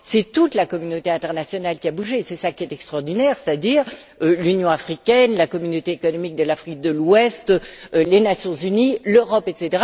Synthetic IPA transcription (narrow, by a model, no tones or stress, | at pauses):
sɛt̪ut̪lakɔmynot̪eɛ̃t̪ɛʁnasjɔnalkʲiabuʒesɛsakʲiɛt̪ɛkst̪χɔʁd̪inɛːʁsɛ̥t̪ad̪iːʁølynjɔ̃afχikʲɛnlakɔmynot̪eːkɔnɔmik̚d̪əlafχik̚d̪əlwɛst̪lenasjɔ̃zyniløʁɔpɛt̪set̪eʁa